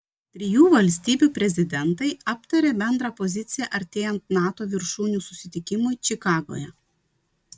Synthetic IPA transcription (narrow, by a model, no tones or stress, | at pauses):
t̪ʲɾʲɪjuːʋɐlʲsʲt̪ʲiːbʲuːpʲɾʲɛzʲɪd̪ʲɛnt̪ɐɪɑpt̪ɐɾʲeːbʲɛnd̪ɾɑːpɔzʲɪt̪sʲɪjɛʔɐɾʲt̪ʲeːjɛnt̪nɑːt̪oːʋʲɪɾʃuːnʲuːsʊsʲɪt̪ʲɪkʲɪmʊɪt͡ʃʲɪkɑːɡo̰jɛ